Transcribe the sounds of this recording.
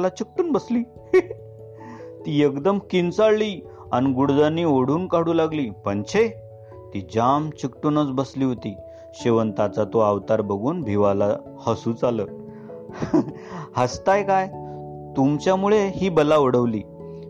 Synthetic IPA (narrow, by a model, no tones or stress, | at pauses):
lat͡ɕik̚ʈuːnbəsliː | t̪iːekd̪əmkint͡saɭliː | aniɡuɽd͡zanːiːoɽ̤uːnkaɽuːlaɡliːpəɳt͡ɕʰe | t̪iːd͡ʑamt͡ɕikʈuːnət͡sbəsliːɦot̪iː | ɕeʋənt̪at͡sat̪oaʋt̪aɾbəɡuːnbʱiʋala | həsuːt͡saləː | həst̪ajkaj | t̪umt͡ɕjamuɭeɦiːbəlaʋəɽəʋliː